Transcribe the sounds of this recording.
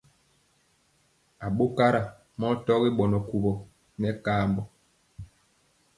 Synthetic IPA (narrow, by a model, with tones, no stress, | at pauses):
a˨ɓo˦ka˦ɾa˨ | mɔ˦tɔ˦ɣi˦ɓɔ˨nɔ˨ku˨bɔ˨ | nɛ˦kaː˦mbɔ˨